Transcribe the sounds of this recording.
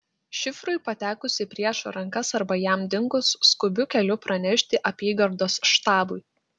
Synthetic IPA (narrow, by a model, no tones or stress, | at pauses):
ʃʲɪfɾʊɪpɐt̪ʲæːkʊsʲɪpʲɾʲiɛʃɾɐŋˑkɐsɐɾbɐjæmd̪ʲɪŋkʊsːkʊbʲʊkʲɛlʲʊpɾɐnʲɛʃʲt̪ʲɪʔɐpʲiːɡɐɾd̪oːsʃt̪ɑːbʊɪ